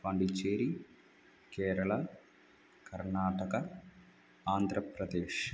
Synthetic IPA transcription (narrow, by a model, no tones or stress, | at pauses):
pɐɳɖit͡ʃeːɾi | keːɾɐɭɐ | kɐɾɳaːʈɐɣɐ | aːnd̪ʱɾɐpɾɐd̪eːʂ